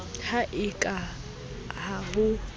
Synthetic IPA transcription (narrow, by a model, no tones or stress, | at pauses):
hʰaʔɪkʼa | haɦʊ